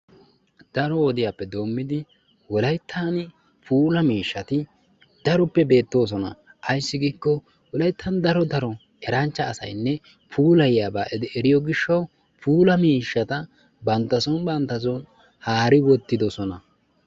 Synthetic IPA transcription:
d̪̥ɐɾɔwɔd̪ɪjaːpːɛd̪o̞ːmːɪd̪ɪ | wɔlɐjt̪ʰːɐn | pʰuːlɐmiːʃːɐt̪ɪ | d̪̥ɐɾɔpːɛbe̞ːt̪ːo̞ːs̬ɔnɐ̰ʔɐjsːɪɡiːkːɔ | wɔlɐjt̪ʰːɐnd̪ɐɾɔd̪ɐɾɔ | ɛɾɐnt͡ʃːɐːsɐ̰jnːɛ | pʰuːlɐjjaːbaːʔɛd̪ɛɾɪjɔɡɪʃːɐw | pʰuːlɐmiːʃːɐt̪ɐ | bɐnt̪ːɐsɔnbɐnt̪ːɐs̬ɔn | haːɾɪwɔt̪ːɪd̪ɔsɔnɐ

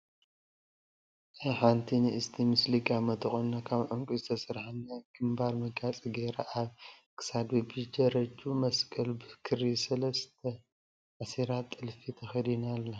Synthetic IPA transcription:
ʔɨħant̪ʰinɨɨst̪ʰimɨsliɡamɐt̪ʰɨxʼunːakʰaβʕʊŋkʼuzɨt̪ʰɐsɨɾħanaɡ̥ɨmbaɾmɐɡat͡sʼiɡeɾaʔaβkʰɨ̥sad̪ibɨd͡ʒɐɾɐt͡ʃʼːumɐskʼɐlbɨkʰɨɾisɐlɐst̪ʰɐ | ʕasiɾat̪ʼːɨlfit̪ʰɐxɐd̪inalːɐ

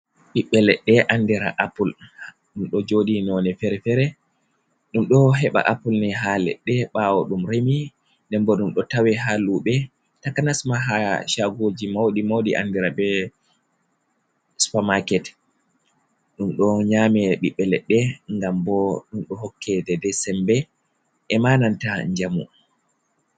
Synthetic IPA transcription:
ɓiɓːɛlɛɗːɛʔandiɾa̰ʔapulh | ɗumɗɔd͡ʒoɗinɔnɛfɛɾɛfɛɾɛ | ɗumɗɔɦɛɓa̰ʔapulnɛɦalɛ̰ɗːɛɓawɔɗumɾemi | ndɛmbɔɗumɗɔtawɛɦaluɓɛ | takanasmaɦaʃaɡod͡ʒimawɗimawɗiʔa̰ndiɾabɛ | spamakɛt | ɗumɗɔɲaːmɛɗiɓːɛlɛɗːɛŋɡambɔɗumɗɔɦɔkʰːɛdɛdɛsɛmbɛ | ʔɛmaːnantaɲd͡ʒamṵ

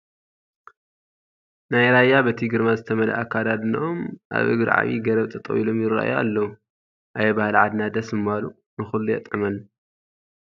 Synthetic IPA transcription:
najɾajːabɐt̪ʰiɡɨɾmazɨt̪ʰɐmɐlɐ̰ʔakːad̪ad̪nɐʔomʔa̰βʔɨ̰ɡɨɾʕa̰βḭɡɐɾɐβt̪ʰʼɐt̪ʼɐ̰wilo̞mjɪra̰ʔjoa̰lːɐwu | ʔajbahlʕad̪nad̪ɐsmɨmalu | nɨxulːujɛ̰t̪ʼɨmɐl

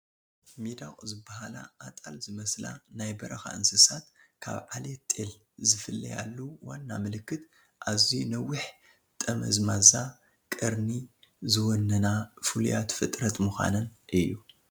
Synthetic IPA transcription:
mid̪aχʼzɨbːahalaʔːt̪ʼalzɨmɐsla̰najbɐɾɐxa̰ɨnsɨsat̪kʰa̰βʕalet̪ʼel | zɨfɨlːɐ̰ja̰lːuwanːamɨlɨkːɨt̪ | ʔazinɐwʊħ | t̪ʼɐmɐ̰zmaza | kʼɨɾnizɨwɔnːɐnafɨlujat̪fɨt̪ʼɾɐt̪muxʷa̰nɐnʔɨjːu

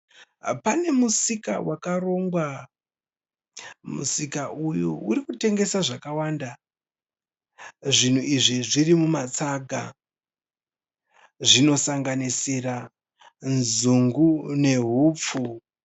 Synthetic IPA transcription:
pane̞musika̰wakaro̞ŋɡwa | mṵsikaʔujuuɾikute̞ŋɡe̞saʐakawanda | ʐin̤uiʐiʐirimumat͡saɡʱa | ʐino̞saŋɡanisira | nzuŋɡune̞ɦuːp͡fu

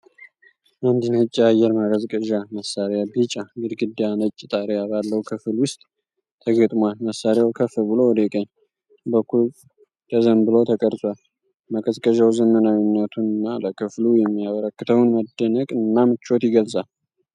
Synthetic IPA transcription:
ʔand̪inəɨt͡ʃʼːiajɛɾmakʼəzkʼəʒaməsːaɾjabit͡ʃʼːabɨɾɡɨd̪ːjanət͡ʃʼːit̪ʼaɾeaβalːəwkʰɨfɨlwʊst̪ʼ | t̪ʰːəɡət̪ʼmwalməsaɾjawkʰəfɨlbɨlo̞wɔd̪ekʼəɲː | bəkːul | t̪əzəmbɨlo̞t̪ʰəkʼəɾsʼwal | makʼəzkʼəʒawzənːənawinːət̪ʰunɨnːaləkʰɨflujɛmːijaβəɾəkːɨt̪ʰəwnməd̪ːənəkʼɨnːamɨt͡ʃːo̞t̪jɪɡəlsʼal

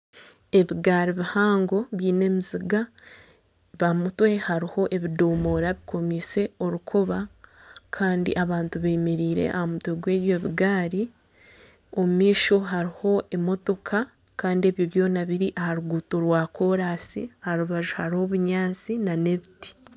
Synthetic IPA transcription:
e̞βiɡaːɾiβihaːŋɡo̞βiːne̞miziɡa | βamutwe̞haɾiho̞ʔe̞βido̞ːmo̞ːɾaβikʰo̞miːse̞o̞ɾukʰoβa | kʰaːndḭʔaβaːntuβeːmeɾiːɾe̞̰ʔa̰hamutweɡwe̞ːβjo̞βiɡaːɾi | o̞mumiːʃo̞ɦaɾiho̞e̞mo̞to̞kʰa | kaːndie̞βjo̞βjo̞ːnaβiɾiʔahaɾuɡutoɾwaːko̞ɾaːsḭhaɾuβaʒuhaɾiho̞βuɲaːt͡sinane̞βiti̥

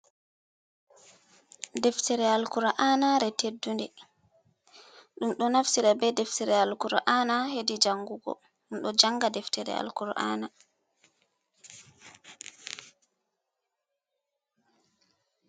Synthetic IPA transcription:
dɛftɛɾɛalkuɾaʔanaɾɛtedːundɛ | ɗumɗɔnafsiɾabɛdɛftɛɾɛalkuɾaʔanahedid͡ʒaŋːɡuɡɔ̰ | ɗumɗɔd͡ʒaŋɡadɛftɛɾɛ̰a̰lkuɾʔa̰ːna

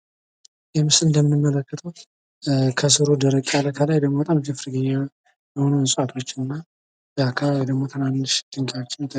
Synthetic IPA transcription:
jɛmɨsɨnd̪əmɨnɨmːələkːət̪ʰəw | kʰəsɨɾod̪əɾəkʼaləkʰalajd̪əɡmoət̪ʼamd͡ʒɨfɾɡɨjɛ | jɛho̞nujsʼat̪ʰo̞t͡ʃːɪnɨnːa | bəakʰːaβaβd̪əɡmo̞t̪ʰɨnanːɨʃd̪̥ɨŋkʰʼawot͡ʃːɪnɛt̪ʰə

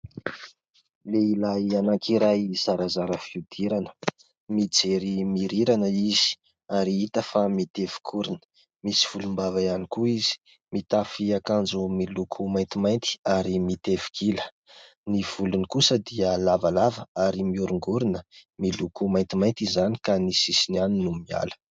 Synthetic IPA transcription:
leilajanakʰiɾajz̥aɾazaɾəfiud̪̥iɾanə̥ | mid͡zeɾimiɾiɾanəiz̥i̥ | aɾiit̪əfamit̪evi̥kʰuɾinə̥ | misi̥v̥ulumbavajanikuiz̥i̥ | mit̪afiakand͡ʒumilukʰumajnt̪imajnt̪i̥aɾimit̪evi̥kilə | niv̥ulunikusəd̪iəlavalavəaɾimiuɾuŋɡuɾinəmilukumajnt̪imajnt̪izani̥kanisisinaninumia̰lə̥

